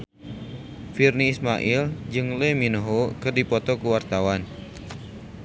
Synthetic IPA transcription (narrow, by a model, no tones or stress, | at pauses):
firniːsmaʔild͡ʒɨŋleminəɦokərdipɔt̪ɔkuwart̪awan